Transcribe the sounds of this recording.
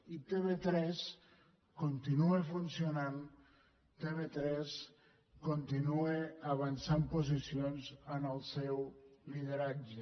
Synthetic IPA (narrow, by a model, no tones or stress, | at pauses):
it̪eβet̪ɾɛs | kont̪inuefunsionan | t̪eβet̪ɾɛs | kont̪inueəβənsampozisionzənəlˠsɛwliðəɾad͡ʒe